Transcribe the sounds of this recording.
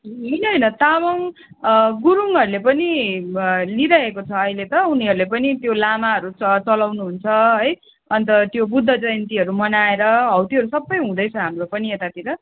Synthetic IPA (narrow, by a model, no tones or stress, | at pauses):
ɦɦʌjnʌɦʌjnʌt̪amʌŋ | ɡuɾuŋɦʌɾulepʌni | liɾʌɦekot͡sʰʌːɦilet̪ʌuniɦʌɾulepʌnit̪jolamaɦʌɾuʌt͡sʌlawnuɦunt͡sʰʌɦʌj | ʌnt̪ʌt̪jobud̪ʱːʌd͡zʌjnt̪iɦʌɾumʌnaeɾʌɦʌwt̪iɦʌɾusʌbːʌjɦũd̪ʌjt͡sʰʌɦamropʌniet̪at̪iɾʌ